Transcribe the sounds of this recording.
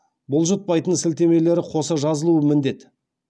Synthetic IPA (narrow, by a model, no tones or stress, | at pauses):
bʊlˠʒət̪̚pɑjt̪ənsɪlt̪e̞me̞le̞ɾɪqʰo̞səʒɑzəlˠuəmɪnd̪e̞t̪